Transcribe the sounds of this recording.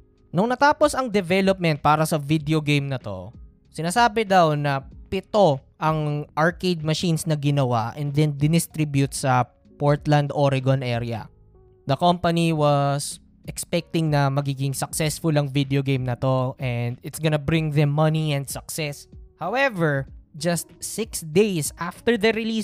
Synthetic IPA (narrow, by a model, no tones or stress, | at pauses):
noŋnɐt̪aːposɐŋd̪ɛvɛlop̚mɛ̃nt̪̚paːɾɐsɐvid̪eoɡejmnɐt̪o̞̰ | sɪnaːsaːbɛd̪awnɐpɪt̪o̞ʔɐŋʔɐɹkejd̪̚mɐʃinsnɐɡɪnɐwaʔɛ̃nd̪ɛnd̪ɪd̪ɪst̪ɾibjʊt̪̚sɐ | poɹt̪lɐnd̪ʔoɾɪɡonʔɛɾɪɐ̰ | d̪ɐkompɐniwɐs | ʔɛkspɛk̚t̪ɪŋnɐmɐɡiːɡɪŋsɐksɛsfʊlɐŋvid̪ɛoɡẽjmnɐt̪o̞ʔɛnd̪ɪt̪sɡonɐbɾɪ̃ŋðɛmːɐniɛ̃nd̪sɐksɛshawɛvɛɹd͡ʒɐst̪̚sɪksd̪ejsʔaft̪ɛɹd̪ɐɾɪlis